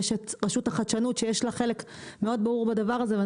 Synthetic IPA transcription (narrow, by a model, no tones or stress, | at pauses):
ʃet̪ʁeʃutaχat͡ʃanutʃejeʃlaχe̞le̞kme̞o̞d̪̚baʁuʁbad̪avaʁazeve